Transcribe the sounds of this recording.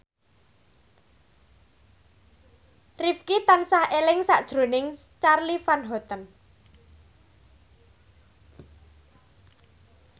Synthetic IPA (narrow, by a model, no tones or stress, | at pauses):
rifkit̪ansahelɪŋsa̰ʔd̥ʒ̥ɾo̤nɪŋt͡ʃarlifanɦɔt̪ən